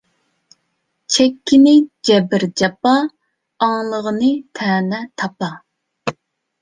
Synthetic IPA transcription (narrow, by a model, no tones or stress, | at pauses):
t͡ʃʰɛkʲːɪnɪd͡ʒɛbɪɾd͡ʒɑpɑː | ŋlˠəʁənɨt̪ʰɛːnɛt̪ʰɑpɑ